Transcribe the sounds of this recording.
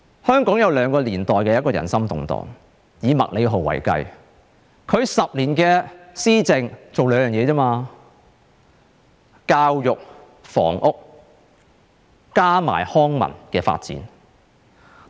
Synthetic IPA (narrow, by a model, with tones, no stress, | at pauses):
hœː˥ŋkɔː˨˥ŋjɐ˨˧wlœː˨˧ŋkɔː˧liː˨˩nt̪ɔː˨jkɛː˧jɐ˥t̚kɔː˧jɐ̰˨˩nsɐ˥mt̪ʊ̰˨ŋt̪ɔ̰ː˨˩ŋ | jiː˨˧mɐ̰˨k̚le˨˧ɦo˨˩wɐ̰˨˩jkɐ̰˧j | kʰɵ˨˧ɥsɐ˨p̚liː˨˩nkɛː˧siː˥t͡sɪ˨ŋt͡so˨wlœː˨˧ŋjœː˨ŋjɛː˨˧t͡sɔː˥maː˧ | kaː˧wjʊ˨k̚ | fɔ̰ː˨˩ŋʔʊ˥k̚ | kaː˥ma̰ː˨˩jhɔː˥ŋmɐ̰˨˩nkɛː˧fa̰ː˧t̚t͡sḭː˨˥n